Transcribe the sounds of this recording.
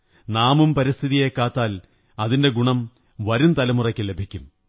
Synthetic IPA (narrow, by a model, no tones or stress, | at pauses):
naːmumpɐɾist̪ʰiðijekːaːt̪ːaːl | ɐðinde̞ɡuɳɐm | ʋɐɾumt̪ɐlɐmurɐkʲːɨle̞bʱikʲːum